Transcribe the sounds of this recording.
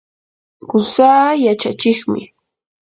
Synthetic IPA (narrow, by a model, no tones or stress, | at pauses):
ɢʊsaːjat͡ʃat͡ʃɪχmɪ̰